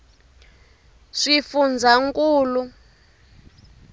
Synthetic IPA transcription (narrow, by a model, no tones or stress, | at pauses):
ʂifund͡zʱaŋkʼuːlu